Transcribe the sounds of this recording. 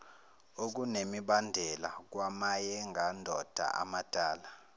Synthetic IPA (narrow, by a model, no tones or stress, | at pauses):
ok̬unemiɓandʱɛlak̬wamajɛŋɡʱandʱɔd̥ʱa̰ʔa̰mad̥ʱaːla